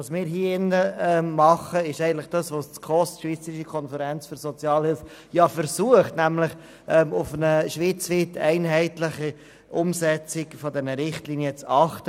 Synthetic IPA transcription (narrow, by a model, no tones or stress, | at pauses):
ɑsmɪːɾɦiːɪnːəɛmmɑχəɪʃɛɪɡəntləχd̥ɑsʋost͡skʰɔstʃʋiːt͡səɾɪʃəkʰɔnfəɾɛnt͡sføɾsɔt͡sjɑːlhɪls | jɑfəɾsuəχtnæmlɪχ | ʔɛmʊfənəʃʋɪt͡sʋiːtɛ̰ɪnɦɛɪtlɪχi | ʔʊmsɛt͡sɪɡfɔdɛnəɾɪχtliːniət͡sɑχtə